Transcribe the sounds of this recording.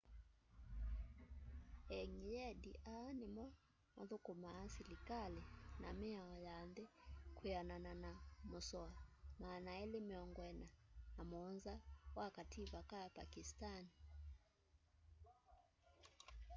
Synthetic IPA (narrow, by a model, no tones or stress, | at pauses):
ɛŋijɛdiʔanima | maðukumaːsilikalina̰mɛaɔjanðɛkujanananamɔsɔamaːnaɛlimɛɔŋɡwɛnaːmɔnzawakativakapa̰kistani